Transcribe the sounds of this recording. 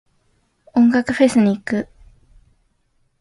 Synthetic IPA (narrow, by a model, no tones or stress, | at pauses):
õ̞ŋɡakɯ̟ɸe̞sɨɲ̟iːkɯ̟